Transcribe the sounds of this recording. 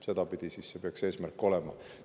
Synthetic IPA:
se̞d̪̥ɑpid̪̥isisse̞peɑkse̞ːsmærkːˑo̞lɛmɑ̰

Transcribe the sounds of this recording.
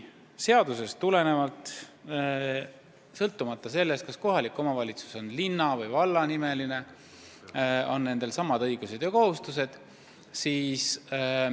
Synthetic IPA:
se̞ɑd̪̥use̞stt̪ule̞ne̞vɑlt̪ˑ | sɤlt̪ːˑumɑt̪ˑːɑse̞lːest̪kɑsko̞ɦɑlikːˑo̞mɑvɑlʲit̪su̥so̞nlinːɑvɤjvɑlːɑnime̞line̞ | o̞nːe̞nd̪̥e̞lsɑmːɑd̪̥ɤ̞jɡ̥use̞d̪jɑko̞ɦust̪use̞d̪̥ | siːs

